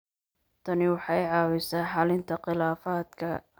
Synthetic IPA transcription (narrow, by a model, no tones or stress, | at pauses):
t̪ʰɐnɪwɑħɑɛʕɑːwɪsaːħɑːlɪnt̪ʰɐqɪlaːfaːd̪kʰɐ̰